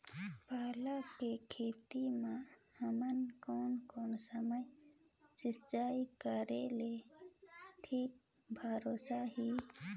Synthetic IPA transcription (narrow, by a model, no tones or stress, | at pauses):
palakekʰet̪imãhamankɔnkɔnsəməjsist͡ʃajkəɾele | ʈʰik̚bʱaɾosaɦi